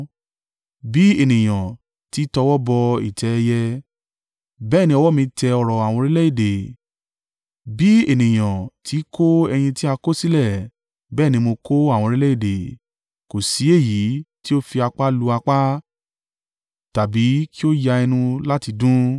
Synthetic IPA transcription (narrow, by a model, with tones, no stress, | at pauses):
bi˦e˦˨nĩ˨j̃ã˨ | ti˨˦tɔ˧wɔ˦bɔ˧ḭ˨tʰɛ˨˦˧jɛ˧ | bɛː˦˨nĩ˧ɔ˧wɔ˦mĩ˧tɛ˧ɔ˧ɾɔ˨a˨w̃ɔ̃˧ɾi˦lɛ˦i˨de˨ | bi˨˦e˨nĩ˨j̃ã˨tʰi˨˦kʰo˦ɛ˧j̃ĩ˧ti˦a˧ko˦si˦lɛ˦˨ | bɛː˦˨nĩ˧mo˧ko˦a˦˨w̃ɔ̃˧ɾi˦lɛ˦i˦˨de˨ | ko˨si˨˦e˦˨ji˨˦ti˦o˦fi˧a˧k͡pa˦lu˧a˧k͡pa˦ | ta˨bi˨˦ki˦o˦ja˧ɛ˧nũ˧la˦ti˧dũ˦